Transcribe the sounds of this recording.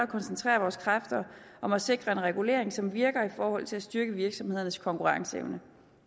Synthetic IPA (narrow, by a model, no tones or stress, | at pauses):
ɒkʰɒ̽nsent͡sʰʁɛ̰ːɐʋɒːskʰʁafd̥ɐʔɒ̽mæse̝ɡ̥ʁɐe̝nʁɛɡ̥ule̝̰ɐ̰eŋsɒ̽mʋiɐɡ̥ɐifɒːhɒ̽l̰t͡sʰe̝læsd̥yɐɡ̥əʋiɐɡ̥sɒ̽mhe̝ð̰ˠɐnəskʰɒ̽ŋkʰuʁɑ̈ŋsḛʊnə